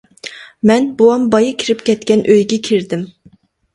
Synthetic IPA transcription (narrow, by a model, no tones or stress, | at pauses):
mɛnboɑmbɑjɨkʲʰiɾɪpkʲɛt̪kʲɛnʔøjɡʲɛkʲʰiɾd̪ɪm